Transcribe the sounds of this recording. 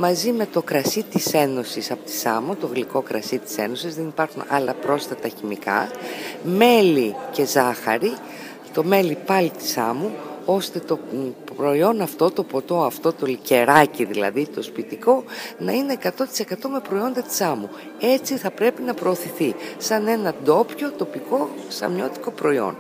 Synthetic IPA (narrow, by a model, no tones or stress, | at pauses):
mɐzime̞t̪o̞kɾɐsit̪ise̞no̞sisɐpot̪i̥sɐ̰mut̪o̞ɣliko̞kɾɐsit̪i̥se̞̰no̞sizðe̞nipɐɾxunɐ̰lɐpɾo̞sfɐt̪ɐçimikɐ̰ | me̞lice̞zɐxɐ̰ɾi | t̪o̞me̞lipɐlit̪i̥sɐ̰muo̞st̪e̞t̪o̞pɾo̞io̞nɐft̪o̞t̪o̞po̞t̪o̞ɐft̪o̞t̪o̞lice̞ɾɐciðilɐ̰ðit̪o̞spit̪iko̞nɐine̞ːkɐt̪o̞t̪i̥se̞kɐt̪o̞me̞pɾo̞io̞nd̪ɐt̪i̥sɐmu | e̞t͡siθɐpɾe̞pinɐpɾo̞ːθiθisɐne̞nɐd̪o̞pço̞t̪o̞piko̞sɐ̰mɲo̞t̪i̥ko̞pɾo̞io̞̰n